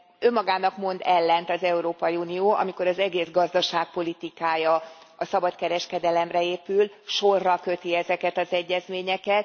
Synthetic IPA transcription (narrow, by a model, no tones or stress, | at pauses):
ømːɒɡaːnɒkmo̞nd̪ɛlːɛnt̪ɒzɛuɾoːpɒjiuːnioːʔɒ̰miko̞ɾɒzɛɡeːzɡɒzd̪ɒʃaːk̚po̞lit̪ikaːjɒ | ɒsɒbɒt̪kɛɾɛʃkɛd̪ɛlɛmrɛeːpyl | ʃo̞rːɒkø̞t̪iɛzɛkɛt̪ɒzɛɟːɛzmeːɲɛkɛt̪